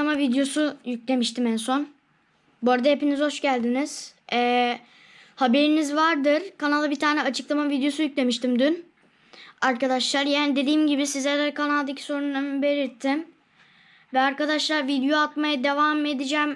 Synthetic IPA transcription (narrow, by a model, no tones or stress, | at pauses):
amavid̪jo̞sujyclʲe̞miʃt̪ʰimænso̞n | bo̞ɾd̪ahe̞pinizho̞ʃɟælʲd̪iniz̥ɛː | habe̞ɾinizvaɾd̪ɯɾ̥kʰanalˠabit̪ʰaːnɛat͡ʃʰɯ̥klˠamavid̪jo̞sujyclʲe̞miʃt̪imd̪yn | aɾkad̪aʃlˠaɾjaːnid̪e̞d̪iːmɟibisizlʲæɾlɛkʰanalˠd̪acʰi̥so̞ɾunːanbe̞ɾiɾt̪ʰːim | vɛaɾkad̪aʃlˠaɾvid̪jo̞at̪majad̪e̞vame̞d̪id͡ʒæːm